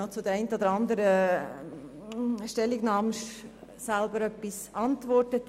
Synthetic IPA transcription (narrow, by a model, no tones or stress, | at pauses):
ot͡sʊd̪əɾɛɪntəd̪əɾɑnd̪əɾə | ʃtɛlːiɡnɑːmʃ | sælbəɾœpːisɑnt̪ʋɔrtət